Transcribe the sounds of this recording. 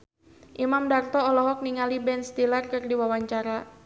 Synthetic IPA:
ʔimamdart̪ɔːlɔɦɔk̚niŋalibɛnst̪ilarkɨrdiwawaɲt͡ʃaɾa

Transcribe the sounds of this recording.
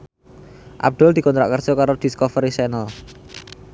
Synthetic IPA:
ʔa̰b̚d̪̥ɔld̪̥i̤kɔnt̪ɾa̰ʔkərsɔkaɾod̪̥i̤skɔfəɾisɛnəl

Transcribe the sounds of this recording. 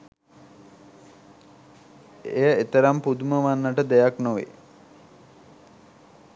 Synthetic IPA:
ejəet̪əɾampud̪uməʋanːəʈəd̪ɛjaknoʋḛ

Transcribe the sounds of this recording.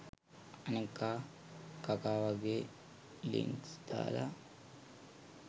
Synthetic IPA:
anekːa | kakaːʋaɡe | lḭŋksd̪̥a̰ːla̰

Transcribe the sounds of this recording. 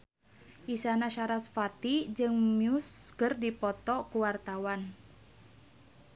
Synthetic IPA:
ʔisanaʃaɾasfat̪id͡ʒɨŋmiuskərdipɔt̪ɔkuwart̪awan

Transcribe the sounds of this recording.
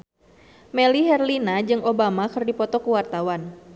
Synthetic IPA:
mɛliɦɛrlinad͡ʒɨŋʔobamakɨrdipɔt̪ɔkuwart̪awan

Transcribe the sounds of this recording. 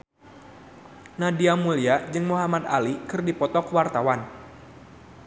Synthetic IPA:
nadiamuliad͡ʒɨŋmuɦamat̪alikɨrdipɔt̪ɔkwart̪awan

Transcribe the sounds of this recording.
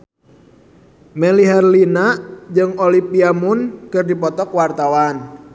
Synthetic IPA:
mɛliɦɛrlinad͡ʒɨŋolipiamʊnkɨrdipɔt̪ɔkwart̪awan

